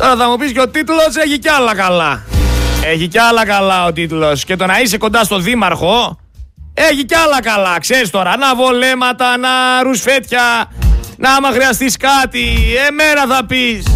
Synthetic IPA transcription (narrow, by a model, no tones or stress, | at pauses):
t̪o̞ɾɐθɐmupisceo̞t̪it̪lo̞seçiceɐlɐkɐlɐ | eçiceɐlɐkɐlɐot̪̬it̪lo̞sce̞t̪o̞nɐise̞ko̞nd̪ɐst̪o̞ðimɐɾxo̞ | e̞çiceɐlɐkɐlɐkseɾist̪o̞ɾɐnɐvole̞mɐt̪ɐnɐɾusfe̞t̪çɐ | nɐmɐxɾiɐst̪iskɐt̪ie̞me̞nɐθɐpis